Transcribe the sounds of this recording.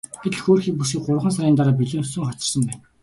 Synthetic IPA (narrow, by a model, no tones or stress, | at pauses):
ɡeɮxoːrxiːk̚pusiːk̚ɢʊr̆χə̆ns̬aɾʲiːnt̪aɾaːp̬iɮĕːnsŭŋχɔt͡ɕɪ̆rsə̆mpæːn